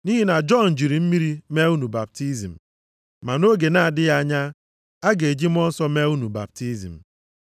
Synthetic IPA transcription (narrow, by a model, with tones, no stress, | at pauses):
ni˦ɦi˦na˨d͡ʒɔ˦nn̩˨d͡ʒi˨ɾi˨m̩˦mi˦ɾi˦me˦u˦nu˨ba˨p̚ti˦zi˨m̩˨ | ma˨no˦ɡe˨na˨a˨dɪ˦ɣa˦˨ɲa˦ | a˦ɡe˨e˨d͡ʒi˦m̩˦ɔ˦n̩˦sɔ˦me˦u˦nu˨ba̰˨p̚ti˦zḭ˨m̩˨